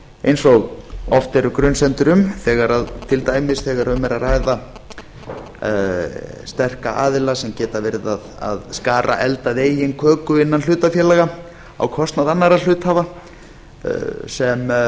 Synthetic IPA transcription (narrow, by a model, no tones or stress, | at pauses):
ejnsɔɣɔft̪ɛɾʏkɾʏnsɛnt̪ʏɾʏmθɛːɣaɾaðt̪ʰɪlt̪aːjmɪsθɛɣaɾʏmɛɾarajða | st̪ɛr̥kaʔaːðɪlasɛmcɛːt̪avɪɾðaða̰ðskaːɾʔa̰ʔɛlt̪aðeːjɪnkʰœːkʏɪnːanl̥ʏːt̪afjɛːlaɣa | a̰wkʰɔst̪naðanːaɾal̥ʏːt̪hava | sɛm